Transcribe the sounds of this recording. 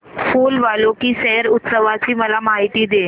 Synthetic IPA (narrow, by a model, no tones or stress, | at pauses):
fuːlʋalokisɛɦəɾʊt̪səʋat͡ɕiːməlamaɦit̪id̪e